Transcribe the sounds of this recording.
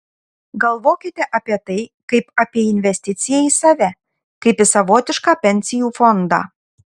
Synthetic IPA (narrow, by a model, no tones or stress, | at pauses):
ɡɐlˠʋokʲɪt̪ʲɛʔɑpʲiɛt̪ɐɪkɐɪpɑpʲiɛinʲvʲɛsʲt̪ʲɪt̪ʲt͡sʲɪjɛisɑʋʲæ | kɐɪpʲɪsɐʋot̪ʲɪʃkɑpʲɛnʲsʲɪjufond̪ɑ̰